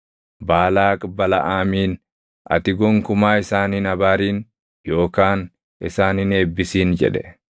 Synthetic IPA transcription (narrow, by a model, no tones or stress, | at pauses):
baːlaːkʼbɐlɐ̰ʔaːmiːn | ʔɐ̰t̪ɪɡɔŋkʊmaːɪsaːninɐbaːɾiːn | jo̞ːkaːn | ʔɪ̰saːnɪneːbːɪsiːnd͡ʒɛ̰ᶑɛ